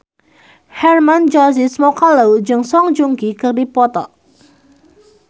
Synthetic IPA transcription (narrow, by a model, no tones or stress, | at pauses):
hɛrmand͡ʒɔsismɔkalawd͡ʒɨŋsɔŋd͡ʒuŋɡikɨrdipɔt̪ɔ̰ʔ